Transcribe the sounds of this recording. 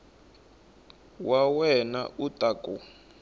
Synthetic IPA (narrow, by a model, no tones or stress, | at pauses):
wawɛna̰utʼakʼṵ